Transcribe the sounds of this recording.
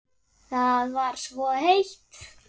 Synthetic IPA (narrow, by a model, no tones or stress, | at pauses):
θaðvaɾ̥svɔhejht̪